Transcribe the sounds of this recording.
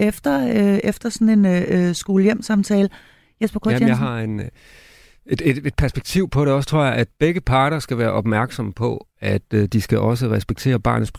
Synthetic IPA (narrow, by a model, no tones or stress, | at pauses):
efd̥ɐefd̥ɐsɒ̽ne̝nsɡ̥oːləjem̰sɑ̈mt͡sʰɛːlə | jesb̥ɐkʰojjɑɦɑ̈en | ed̥e̝d̥e̝d̥̚pʰæɐsb̥eɡ̥̚t͡sʰiʊ̰pʰɒɾe̝ɒ̽sət͡sʰʁo̝ɐ̰jɑ̈ʔæd̥̚b̥eɡ̥əpʰɑ̈ːɾ̥ɐsɡ̥æʋæːɐʔɒ̽b̥mæɐɡ̥sɒ̽məpʰɒ̽ | æd̥d̥isɡ̥æʔɒ̽s̬əʁɛsb̥eɡ̥̚t͡sʰe̝̰ːɐb̥ɑ̰̈ːnəsb̥ʰ